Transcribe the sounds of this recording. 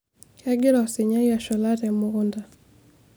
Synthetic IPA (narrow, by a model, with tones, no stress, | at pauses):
a˦ɡi˦ɾaɔ˨si˨ɲa˦ja˨ʃɔ˨laɾɛmʊ˨ɣunda˨